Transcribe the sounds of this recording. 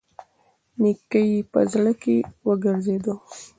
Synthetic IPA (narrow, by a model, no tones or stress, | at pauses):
nikəjpə̰zɽəkewəɡəɾzed̪o